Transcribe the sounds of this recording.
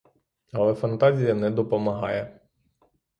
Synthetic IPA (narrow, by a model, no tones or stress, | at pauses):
ɐlˠɛfɐnt̪ɑzʲijɐnɛd̪ɔpɔmɐɦɑ̰jɛ